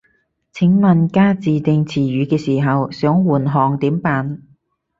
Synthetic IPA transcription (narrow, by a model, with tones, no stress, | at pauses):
t͡sʰɪ˨˥ŋmɐ˨nkaː˥t͡siː˨t̪ɪ˧ŋt͡sʰiː˨˩ɥyː˨˧kɛː˧siː˨˩ɦɐ˨wsœː˨˥ŋwuː˨˩nɦɔː˨ŋt̪iː˨˥mpaː˨n